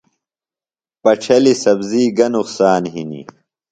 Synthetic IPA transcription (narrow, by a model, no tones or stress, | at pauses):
pɐʈ͡ʂʰɐlisɐbziːɡɐnuqsaːnɦinḭ